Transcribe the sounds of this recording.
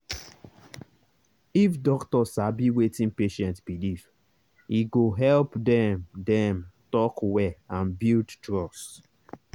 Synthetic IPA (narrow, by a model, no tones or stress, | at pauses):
ifdɔktɔsabiwetĩnpeʃɛ̃ntb̥iliv | iɡoɦɛlpdɛ̃mdɛ̃mtɔkwɛãnbildtɹɔst